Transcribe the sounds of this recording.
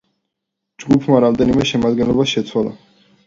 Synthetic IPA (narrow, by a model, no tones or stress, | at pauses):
d͡ʒɡupʰmaɾamd̪ɛnimɛʃɛmad̪ɡɛnlˠɔbasʃɛt̪sʰwalˠa̰